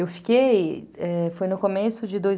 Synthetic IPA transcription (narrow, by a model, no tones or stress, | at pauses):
ewfi̥kejɛfojnʊkomesʊd͡ʒɪd̪oj